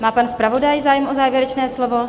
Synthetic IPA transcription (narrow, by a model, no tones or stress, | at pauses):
maːpanspɾavo̞dajzaːjɛmʔozaːvjɛɾɛt͡ʃnɛːslovo̞